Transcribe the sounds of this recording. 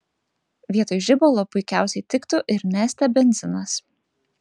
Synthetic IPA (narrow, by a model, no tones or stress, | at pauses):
ʋʲiɛt̪oːjʊʒʲɪbɔlˠoːpʊɪkʲæˑʊsʲɛɪt̪ʲɪkt̪ʊʔɪɾnʲæːsʲt̪ʲɛbʲɛnʲzʲɪnɐs